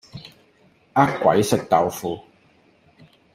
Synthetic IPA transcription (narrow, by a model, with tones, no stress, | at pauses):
ʔa˥kːʷɐ̰˨˥jsɪ˨k̚t̪ɐ˨wfuː˧